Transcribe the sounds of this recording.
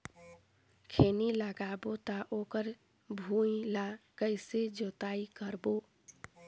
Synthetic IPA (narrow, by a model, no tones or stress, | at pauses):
kʰeniləɡabot̪aʔokəɾ | bʱuilakəɪsed͡ʒot̪aikəɾbo